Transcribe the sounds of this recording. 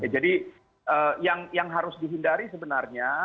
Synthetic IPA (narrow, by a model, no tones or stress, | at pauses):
jad͡ʒadi | ʔəːjaŋjaŋɦaɾʊsdiɦindaɾisəbənarɲa